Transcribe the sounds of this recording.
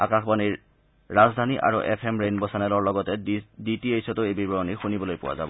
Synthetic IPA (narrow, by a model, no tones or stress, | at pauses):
akaxbaniɹː | azd̪ʱaniʔa̰ɹoʔɛpʰemɹenbɔsanɛlɔɹlɔɡɔtɛditiejsɔtoejbibɔɹɔnixunibɔlojpʊwa̰za̰bɔ